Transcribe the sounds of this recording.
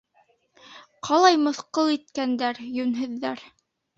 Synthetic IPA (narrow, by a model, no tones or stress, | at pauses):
qʰɑlˠɑjmɤ̆θqɤlˠit̪̚kænd̪æɾjɵnɦɘ̆ðːæɾ